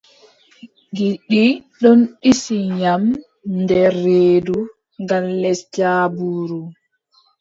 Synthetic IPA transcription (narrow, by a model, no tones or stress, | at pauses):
ɡiɗːiɗɔnɗisiɲam | ndɛɾːeːdu | ŋɡamlɛsd͡ʒaːbuːɾu